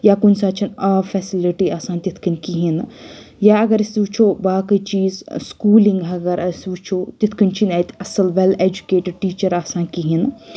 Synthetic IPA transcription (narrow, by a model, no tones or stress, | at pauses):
jaːkunsaːt͡ʃʰinaːfʰɛːsiliʈiaːsãːnʲt̪it̪ʰkinkiɦinjaɐɡɐɾisʋut͡ʃʰoːbaːkɨt͡ʃiːzskuːlĩŋɡɦɐɡɐɾʔɐsʋut͡ʃʰoːt̪it̪ʰkint͡ʃʰinat̪ɐsɐlʋeleːd͡ʒukeːʈɪɖ̚ʈiːt͡ʃɐɾaːsãːnkiɦin